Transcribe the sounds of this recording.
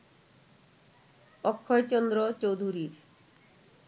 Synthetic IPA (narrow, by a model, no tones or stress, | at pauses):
ɔkʰːɔjt͡ɕɔnd̪ɾot͡ɕowd̪ʱuɾiɾ